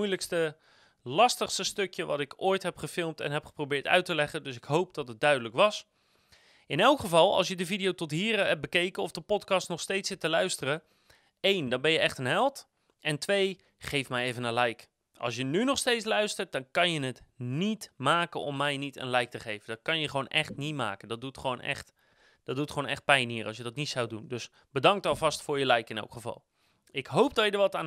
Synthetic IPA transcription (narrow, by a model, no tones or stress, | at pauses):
ujləkstə | lɑstəχstəstɵkjəʋɑ̰tɪkojtɦɛpχəfɪlˠmtɛ̰nɦɛpχə̥prowbɪːɹtœ̰ɥtəlɛχəndɵsɪkɦowp̚dɑtəd̚dœɥdələkʋɑs | ɪnɛlˠkχəvɑlˠɑ̰lˠsjədəvidijowtɔtɦiːrɦɛp̚bəkejkənɔfdəpɔtkɑstnɔχstejtsɪtəlœɥstərə | ejndɑnbɛnjəʔɛχtənɦɛlˠt | ɛntʋej | χejfmɛjeːvənəlɛjk | ɑ̰lˠs̬jənynɔχstejt͡sslœɥstərt̚dɔnkɑnjənətnitmaːkənɔ̰mːɛjnitə̰nlɛjk̚təχejvəndɔtkɑnjəχəʋoːnʔɛχtnitma̰ːkəndɔdutχəʋoːnɛ̰xt | d̥ɔdutχəʋoːnɛxt̚pɛjnɦiərʔɑs̬jədɔtnitsawdundɵs | bədɑŋk̚tɑlˠvɑstfʊːɹjəlɛjkɪnɛ̰wkχəvɑ̰lˠ | ɪkɦowp̚dɔjədəɹʋɔtaːn